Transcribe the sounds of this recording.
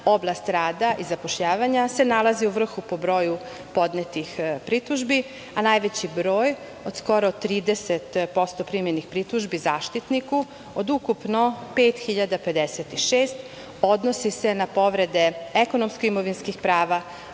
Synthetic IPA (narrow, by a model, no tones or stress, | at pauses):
o̞blˠast̪ɾaːd̪aʔizapoʃʎaːʋaɲase̞nalˠaziuʋr̩xupo̞bɾo̞ːju | po̞d̪net̪ixpɾit̪uʒbi | anajʋet͡ɕibɾo̞ːj | o̞d̪̥sko̞ɾot̪ːɾiːd̪eset̪po̞st̪o̞pɾimjenixpɾit̪uʒbizaːʃt̪it̪niku | od̪ukupnopeːt̪xiʎad̪ape̞d̪eset̪iʃeːst̪ | o̞d̪nosise̞napo̞ʋɾe̞d̪e̞ekonomskoimo̞ʋinskixpɾaːʋa